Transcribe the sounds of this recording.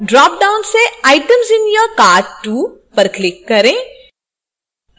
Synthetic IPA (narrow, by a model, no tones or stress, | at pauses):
ɖɾɔːp̚ɖaʊnseaːɪʈəmzɪnjəkaːɖʈːuː | pɐɾklɪkːɐɾẽː